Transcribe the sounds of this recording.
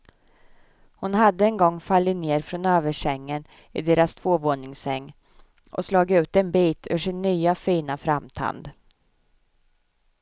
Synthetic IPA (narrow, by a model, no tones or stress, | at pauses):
hʊnhad̪ːəɛnɡɔŋːfalːɪt̪neːɾfɾɔnøːvəʂɛŋːən | ɪd̪eːɾast̪ʰv̥oːvoːɳɪŋsɛŋː | ɔ̰slɑːɡɪʉ̟ːt̪ɛnbiːt̪ʰʉ̰ʂɪnːyːafiːnafɾamt̪ʰa̰nd̪